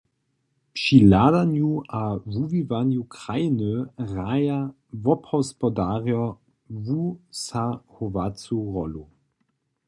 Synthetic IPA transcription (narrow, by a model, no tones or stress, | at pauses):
pʃiladanjuʔavuvivanjukʁajnəʁaja | vɔphɔspɔdaːʁjɔ | vusahɔvat͡suʁɔlu